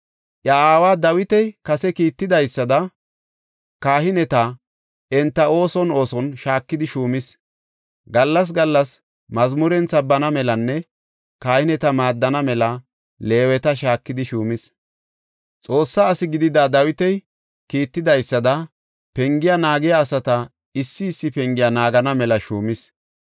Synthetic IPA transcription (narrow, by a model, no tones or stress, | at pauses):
ʔjɐaːwaːd̪ɐwɪt̪ɛjkɐsɛkiːt̪ːɪd̪ɐjsːɐd̪ɐ | kaːhɪnɛt̪ɐ | ɛnt̪ːɐo̞ːsɔno̞ːsɔnʃaːkːɪd̪ɪʃuːmɪs | ɡɐlːɐs̬ɡɐlːɐs | mɐzmʊɾɛnt͡sːɐbɐnɐmɛlɐnːɛ | kaːhɪnɛt̪ɐmaːd̪ːɐnɐmɛlɐ | le̞ːwɛt̪ɐʃ̬aːkːɪd̪ɪʃuːmɪs | t͡sʼo̞ːsːɐːsɪɡɪd̪ɪd̪ad̪ɐwɪt̪ɛj | kiːt̪ːɪd̪ɐjsːɐd̪ɐ | pɛŋɡɪjɐnaːɡɪjaːsɐt̪ɐ | ɪsːɪːsːɪpɛŋɡɪjanaːɡɐnɐmɛlɐʃuːmɪs